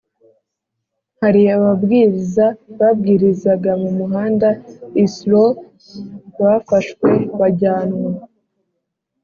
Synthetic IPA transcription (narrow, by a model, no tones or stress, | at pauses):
haɾiaβabɡiːɾizaβab̚ɡiːɾizaɡamumuɦaːndaislo | βafaʃkwe̞βaɟaːnwa